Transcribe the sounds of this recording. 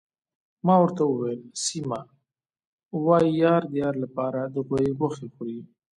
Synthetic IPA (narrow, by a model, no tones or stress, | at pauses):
mɑwəɾt̪awəwelsima | wɑijɑɾd̪jɑɾlapɑɾad̪əɣojeɣaxexuɽi